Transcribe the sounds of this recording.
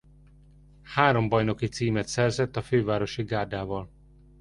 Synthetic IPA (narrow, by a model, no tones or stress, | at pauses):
haːɾo̞mbɒjno̞kit̪siːmɛt̪sɛrzɛt̪ːɒføːvaːɾo̞ʃiɡaːrd̪aːvɒl